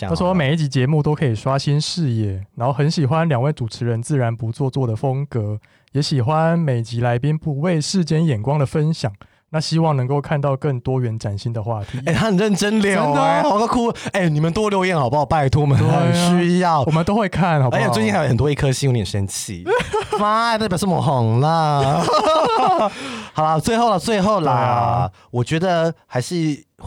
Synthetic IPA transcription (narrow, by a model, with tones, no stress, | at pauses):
me˨˩ɪi˥˩t͡ɕi˧˥t͡ɕjɛ˧˦mu˥˨t̪o˥ʊkʰɤ˧˥i˨˩ʂwa˦˥ɕi˦˥nʂɻ̩˥˧jɛ˥˩na˨˧˦nxo˥˩ʊxə˧˥nɕi˨˩xwa˦nljɑ˨˩ŋwe˥˩ɪʈ͡ʂu˨˩ʈ͡ʂʰɻ̩˨˧˥ɻə˧˦nt͡sɹ̩˥˩ɻa˧˦npu˧˦t͡swɔ˥˧t͡swɔ˥˩d̪ə˩fə˦ŋkɤ˨˧˦ | jɛ˧˥ɕi˨˩xwa˦nme˨˩ɪt͡ɕi˧˥la˧˥ɪpi˦npu˨˧˥we˥˧ɪʂɻ̩˥˩t͡ɕjɛ˥njɛ˨˩nkwɑ˥ŋd̪ə˨fə˦nɕjɑ˨˩˦ŋ | na˥˩ɕi˥wɑ˥˩ŋnɤ˧˥ŋko˥˧ʊkʰa˥˧nt̪ɑ˥˧ʊkə˥˩ŋt̪wɔ˥ɥɛ˧˥nʈ͡ʂa˨˩nɕi˦˥nd̪ə˨xwa˥˩t̪ʰi˨˦e˥˧ɪt̪ʰa˥n˨˩ɻə˥˩nʈ͡ʂə˥nljo˥˨e˥˨˩kkʰu˥e˥˩ɪni˨˩mə˨nt̪wɔ˥ljo˧ʊjɛ˥˨nxɑ˨˩ʊpa˥˧ɔ˨˩pa˥˩ɪ˩t̪ʰu˥˦wmə˦n˧˨˩ɕy˥jɑ˥˨ʊwɔ˨mə˦nt̪o˥ʊxwe˥˧ɪkʰa˥˩nxɑ˨˩ə˧˦˥i˥˧˥jə˨˩t̪wɔ˦i˥˧kʰə˥˧ɕi˥o˥˧ŋni˨˩ʂə˧˥nt͡ɕʰḭ˥˩ma˥t̪a˥˩p̬jʂ̩˥˩mɔ˨˩xɔ˨˩ŋlə˦ | xɑ˨˩ʊla˦t͡swe˥˧ɪxo˥˩ʊlə˨˩t͡swe˥˧ɪxo˥˩ʊlə˨˧˩ | wɔ˨˩t͡ɕɥɛ˧˥d̪ə˧xa˧˥ɪʂɻ̩˥˧